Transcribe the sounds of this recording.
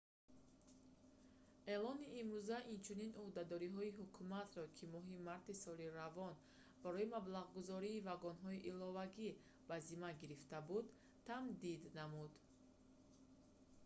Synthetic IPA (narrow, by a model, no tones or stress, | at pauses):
e̞lɔniːmɾuzaʔint͡ʃʰuninʔuhd̪ad̪ɔɾiɦɔiɦukʰumat̪ɾɔkʰimɔɦimaɾt̪isɔliɾavɔn | b̥aɾɔimablaʁɡuzɔɾiːvaɡɔnɦɔiʔilɔvaɡi | b̥azimaɡiɾift̪abud̪ | t̪ʰamd̪id̪namud̪